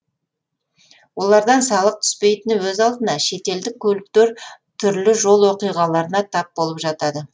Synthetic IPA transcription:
wo̞lˠɑɾd̪ɑnsɑlˠəq̚t̪ʰʏ̥spe̞jt̪ɪnɪwɵzɑlˠd̪ənɑʃe̞t̪e̞ld̪ɪkʲʰːɵlɪk̚t̪e̞ɾ | t̪ʰʏɾlɪʒo̞lˠwo̞qijʁɑlˠɑɾənɑt̪ʰɑp̚bolˠəpʒɑt̪ɑd̪ə

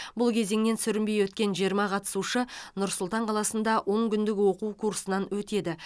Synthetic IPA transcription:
bʊlˠkʲʰe̞ze̞ŋne̞nsʏɾɪmbejwɵt̪̚kʲe̞nʒijəɾmɑqʰɑt̪ə̥suʃənʊɾsʊlˠt̪ɑɴqʰɑlˠɑsənd̪ɑwʔo̞ŋkʲʰʏnd̪ɪɡʲɪwo̞quwkʰuɾsənɑnwɵt̪e̞d̪ɪ

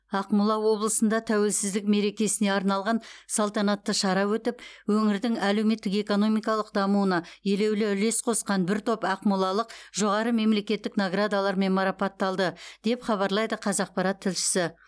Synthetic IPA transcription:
ɑqmulˠɑwo̞blˠəsənd̪ɑt̪ʰæwe̞lsɪzd̪ɪk̚me̞ɾe̞kʲe̞sɪne̞ɑɾnɑlˠʁɑnsɑlˠt̪ɑnɑt̪ːəʃɑɾɑwɵt̪ɪpwɵŋɪɾd̪ɪŋæle̞wme̞t̪ːɪke̞ko̞no̞mijkɑlˠəqd̪ɑmuənɑje̞le̞wlɪʏle̞sqʰo̞sqɑnbɪɾt̪ʰo̞pɑqmulˠɑlˠəqʒo̞ʁɑɾəme̞mle̞kʲe̞t̪ːɪknoɡrad̪alˠɑɾme̞nmɑɾɑpɑt̪ːɑlˠd̪əd̪̥e̞pχɑβɑɾlˠɑjd̪əqʰɑzɑq̚pɑɾɑt̪ʰːɪlʃɪ̥sɪ

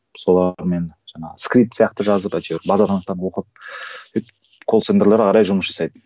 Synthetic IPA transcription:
so̞lˠɑɾme̞nʒ̥ɑɴɑ̰ʁəskɾit̪sjɑqt̪əʒɑzəpæjt̪ʲoɾbɑzɑt̪ɑnəq̚t̪ɑnwo̞qəp̪̚ʰet̪ | kʰo̞lˠsend̪elˠeɾqʰɑɾɑjʒʊməsʒɑsɑjd̪ə

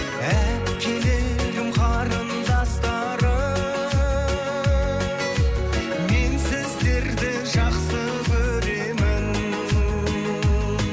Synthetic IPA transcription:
æ | kʲʰe̞leʒʊmχɑɾənzɑst̪ɑ | ɾə | me̞nsɪzd̪e̞ɾd̪ɪ | ʒɑqsə | kʰɵɾe̞mɪn

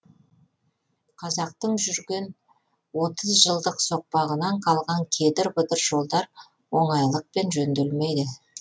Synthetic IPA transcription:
qʰɑzɑq̚t̪əɴʒʏɾɡʲe̞n | wo̞t̪əzʒəlˠd̪əqso̞q̚pɑʁənɑɴqʰɑlˠʁɑŋkʲʰe̞d̪ɪɾbʊd̪ɪɾʒo̞lˠd̪ɑɾ | wo̞ɴɑjlˠəq̚pe̞nʒɵnd̪elme̞jd̪ɪ

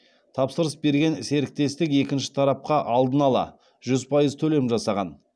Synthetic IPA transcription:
t̪ʰɑpsəɾəsbe̞ɾɡʲe̞nɪse̞ɾɪk̚t̪e̞st̪ɪke̞kʲɪnʃɪ̥t̪ʰɑɾɑp̚qɑʔɑlˠd̪ənɑlˠɑ̰ | ʒʏzpʰɑjəzt̪ʰɵle̞mʒɑsɑʁɑn

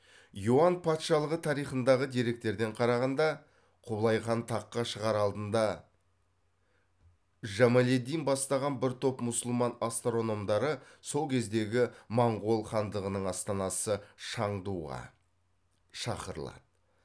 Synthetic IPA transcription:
juanpʰɑt̪ʃɑlˠəʁət̪ʰɑɾijχənd̪ɑʁəd̪iɾe̞k̚t̪e̞ɾd̪e̞ɴqʰɑɾɑʁɑnd̪ɑ | qʰʊblˠɑjχɑnt̪ʰɑqːɑʃəʁɑɾɑlˠd̪ənd̪ɑ | ʒæmale̞d̪ijnbɑst̪ɑʁɑnbɪɾt̪ʰo̞pmʊsəlˠmɑnast̪ɾo̞no̞md̪ɑɾəso̞lˠkʲʰe̞zd̪e̞ɡʲɪmɑɴʁo̞lˠχɑnd̪əʁənəɴɑst̪ɑnɑsəʃɑɴd̪uʁɑ̰ | ʃɑ̰qəɾə̰lˠɑ̰d̪̥ə

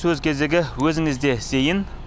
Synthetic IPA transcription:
sɵzkʲʰezeɡʲɪwɵzɪŋɪzd̪esejɪn

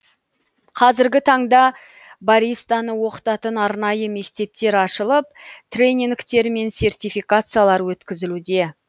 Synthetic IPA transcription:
qʰɑzɪɾɡʲɪt̪ʰɑɴd̪ɑ | baɾijst̪anəwo̞qə̥t̪ɑt̪ənɑɾnɑjəme̞kt̪e̞p̚t̪e̞ɾɑʃəlˠəp̚t̪ʰrʲe̞nʲiŋkt̪e̞ɾme̞nsʲe̞rt̪ʲijfijkat̪sɨjalˠɑɾwɵt̪kʲɪzɪlud̪e̞

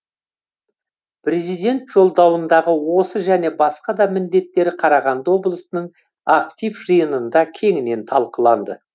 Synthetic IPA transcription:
pʰɾe̞zijd̪e̞nt̪ʒ̥o̞lˠd̪ɑwənd̪ɑʁəwo̞səʒæne̞bɑsqɑd̪ɑmɪnd̪e̞t̪ːe̞ɾɪqʰɑɾɑʁɑnd̪əwo̞blˠəsənəɴ | ak̚t̪ʲivʒɨjənənd̪ɑkʲʰe̞ŋɪne̞nt̪ʰɑlˠqəlˠɑnd̪ə

